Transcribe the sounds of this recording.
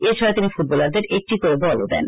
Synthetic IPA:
eɾt͡ʃʰɔɾajt̪inifuʈ̚bɔlaɾd̪eɾʔek̚ʈikoɾebɔlo̰d̪ɛ̰n

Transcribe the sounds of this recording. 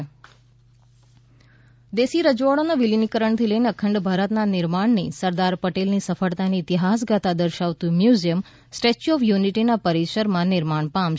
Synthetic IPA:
d̪esiɾəd͡ʒʋaɽ̃onaʋilinikəɾəɳt̪ʰiləineəkʰəɳɖbʱaɾət̪nanɪɾmaɳnisəɾd̪aɾpəʈelnisəfəɭt̪aniːt̪iɦas̬ɡat̪ad̪əɾʃaʋt̪ũmjuzijəm | sʈet͡ʃɔfjuniʈinapəɾiʃəɾmãnɪɾmaɳpam

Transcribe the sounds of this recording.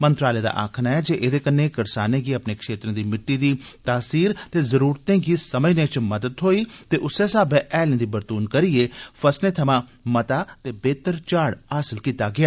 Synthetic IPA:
mənt̪ɾaːleːd̪a̰ːʔa̰ːkʰnaːɛːd͡ʒeːʔed̪eːkənːeːkəɾsaːnẽːɡiːəpneːkʃeːt̪ɾẽãːd̪iːmɪʈːiːd̪iːt̪aːsiːɾt̪eːzəɾuːɾt̪ẽːɡiːsəməd͡ʒneːt͡ʃməd̪əd̪ɦoːiːt̪eːʔʊseːsaːbeʔɛːlẽd̪iːbəɾt̪uːnkəɾieːfʰəsnẽːt̪ʰəmãːmət̪aːt̪eːbeːt̪əɾt͡ʃaːɽaːsɪlkiːt̪aɡɪjaː

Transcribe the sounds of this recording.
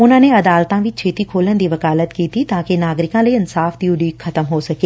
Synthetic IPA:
ʊn̤ə̃nẽɐd̪aːlt̪ãʋɪt͡ɕʰeːt̪ikʰoːlənɪ̆d̪iːʋɐkaːlət̪kiːt̪ʰit̪ɐãkʰenaːɡɾɪkãlɐːɪnsaːfd̪ijũɗiːkxʰɐt̪əmɦoːsɐkeː

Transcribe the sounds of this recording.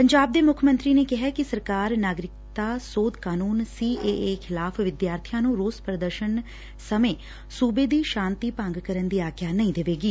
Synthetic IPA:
pəɲd͡ʒaːb̚d̪eːmʊkʰmə̃nt̪ɾiːneːkɪɦɛːkɪsəɾkaːɾnaːɡɾɪk̚t̪aːsoːd̪kaːnuːnsiːʔeːʔeːkʰɪlaːpʰʋɪd̪jaːɾt̪ʰijãːnũːɾoːspɾəd̪əɾʃən | səmẽː | suːbeːd̪iːʃãːnt̪iːpãŋɡkəɾənd̪iːaːkʰjaːnəĩːd̪ɪʋeːɡiː

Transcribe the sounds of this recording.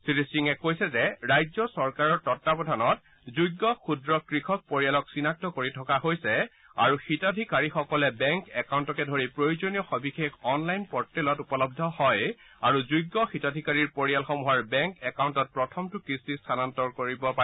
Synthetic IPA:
siɹisiŋɛkojsɛzɛɹajzɔsɔɹkaɹɔɹtɔtːapɔdʱanɔt̚ | zujɡːɔxudɹɔkɹixʰɔk̚poɹijalɔksinak̚tɔkoɹitʰɔkaɦojsɛ | a̰ɹuxitadʱikaɹixɔkɔlɛbɛŋkɛkawntɔkɛdʱoɹipɹojuzonijɔxɔbixekɔnlajnpɔɹtːɛlɔtupɔlɔb̚dʱɔhɔj | aɹuzujɡːɔxitadʱikaɹiɹpoɹijalxɔmuɦaɹbɛŋkɛkawntɔt̚pɹɔtʰɔmtʊkɹisistʰanantɔɹkoɹibɔpa

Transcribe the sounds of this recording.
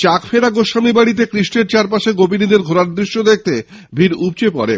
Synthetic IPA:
t͡ɕakfʰeɾaɡoʃamibaɽit̪̬ekɾiʃʈeɾt͡ɕaɾpaʃeɡopinid̪eɾɡʱoɾaɾd̪ɾiʃːod̪ek̚ʰt̪e | bʱiɾup̚t͡ɕepɔ̰ɾḛ

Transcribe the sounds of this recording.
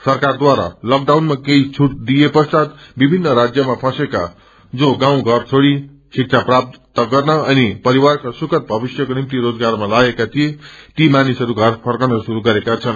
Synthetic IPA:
sʌrkard̪waɾa̰lʌk̚ɖawnmakeit͡sʰuʈ̚d̪ijepʌst̪at̪bibʱinːʌɾad͡zjʌmapʰʌ̃seka̰ | d͡zoɡãw̃ɡʱʌrt͡sʰoɽi | sik̚t͡sʰaprap̚t̪t̪ʌɡʌrnʌʌnipʌɾiwarkasukʌt̪̚bʱʌbisjʌkonimt̪iɾod͡zɡarmalaɡekat̪ʰijet̪imanisʌɾuɡʱʌrpʰʌrkʌnʌsuɾuɡʌɾekat͡sʰʌn

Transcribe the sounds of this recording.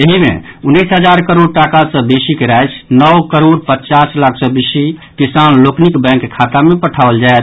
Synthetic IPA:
eɦimḛunːisɦəd͡ʒaɾkəɾoɖʈakasə̃besikeɾajt͡ʃʰnəwkəɾoɖpətːt͡ʃaslakʰsəbisikisanloknikbɛ̃ŋkːkʰːat̪amepəʈʰabəld͡ʒae

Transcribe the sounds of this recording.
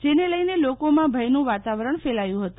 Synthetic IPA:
d͡ʒeneləjnelokomãbʱəjnũʋat̪aʋəɾəɳfelajũɦət̪u̥

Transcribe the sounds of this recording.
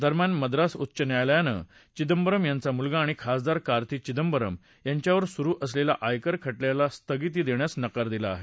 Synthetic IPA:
d̪ʱəɾmjanməd̪ɾasut̪ːɕənjajljanə̰ | t͡ɕid̪əmbəɾəmjant͡samulɡaːɽ̃ikʰasd̪aɾkaɾt̪ʰiːt͡ɕid̪əmbəɾə̰m | jaɲt͡ɕjaʋəɾsuɾuːʔəslelaʔajkəɾkʰəʈljalast̪əɡit̪̬iːd̪eɳjasnəkaɾd̪ilaːɦe

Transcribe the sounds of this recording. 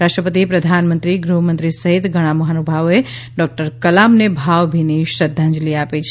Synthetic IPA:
ɾaʃʈɾəpət̪ipɾəd̪ʱanmənt̪ɾiɡɾuɦmə̃nt̪ɾisəɦit̪ɡʱəɽ̃aməɦanubʱaʋe | ɖɔk̚ʈəɾkəlamnebʱaʋbʱiniʃɾəd̪ʱːãnd͡ʒliapet͡ʃʰ

